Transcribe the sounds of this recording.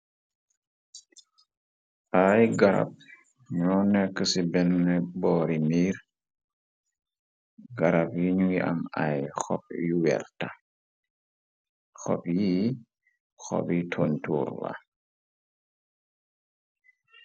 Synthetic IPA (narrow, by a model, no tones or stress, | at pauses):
ʔajɡaɾa̰p̚ | ɲɔːnɛkːəsibɛnːɛbɔːɾimiːɾ | ɡaɾapjiɲuɡiʔɐ̰majxɔ̰p̚juwɛ̰rta | xɔ̰pji | xɔ̰bitʰontṵːɾwa̰